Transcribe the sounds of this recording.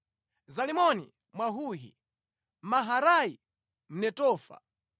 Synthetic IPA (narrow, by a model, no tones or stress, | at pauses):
zalimɔnḭ | mwaɦuɦḭ | maɦaɾai | m̩nɛtɔːfa̰